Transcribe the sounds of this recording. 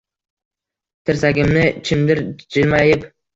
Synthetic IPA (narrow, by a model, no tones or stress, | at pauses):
t̪ʰɪɾsaɡʲɪmnɪt͡ʃʰɪmd̪ɪɾd͡ʒɪlmajɪp